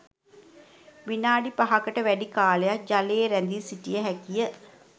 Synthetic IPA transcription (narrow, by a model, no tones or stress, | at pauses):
ʋinaːɖipaɦakəʈəʋæɖikaːlejak̚d͡ʒaleːɾænd̪isiʈijəɦækijə